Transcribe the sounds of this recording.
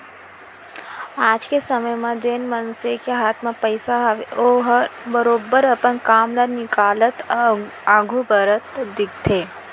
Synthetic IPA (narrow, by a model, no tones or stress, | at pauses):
aːd͡ʒkesɐməjmẽd͡ʒeːnmɐnsekeɦaːt̪ʰmẽpəɪsaoɦbəɾoːbəɾɐpənkaːmlanɪkaːlət̪ | aːɡʱubəɾət̪d̪ɪk̚t̪ʰeː